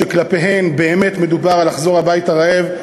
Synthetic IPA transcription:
eklapeɦe̞mbe̞ːmet̪me̞dubaʁalaχzo̞ʁhabaithaʁaev

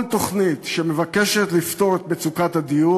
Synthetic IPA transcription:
nt̪o̞χnit̪ʃeme̞vakeʃet̪lift̪o̞ʁet̪̚bet͡sukat̪had̪iju

